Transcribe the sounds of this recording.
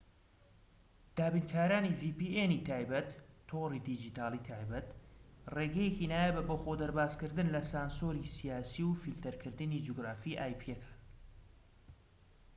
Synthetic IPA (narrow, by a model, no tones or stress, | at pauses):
d̪̥aːbinkʰaːɾaːniviːpiːenit̪ʰaːjbɐt̪ʰːorid̪id͡ʒiːt̪aːlˠit̪ʰaːjbɐt̪reːɡɛjekinaːjebɐboxod̪ɐɾbaːzkɨɾd̪ɨnlɐsaːnsoːɾisijaːsiwfilt̪ɐɾkʰɨɾd̪ɨnid͡ʒuɡɾaːfiʔaːjpʰijekʰḁ